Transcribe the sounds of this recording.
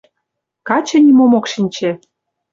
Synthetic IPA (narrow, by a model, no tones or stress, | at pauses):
kɑt͡ɕɤ̆nʲimomokʃinʲt͡ɕĕ